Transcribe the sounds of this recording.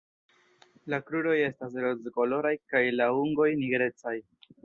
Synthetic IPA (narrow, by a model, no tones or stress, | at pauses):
lakɾuɾo̞je̞stas̬ɾozko̞lo̞ɾajkajlauŋɡo̞jniɡɾe̞t͡saj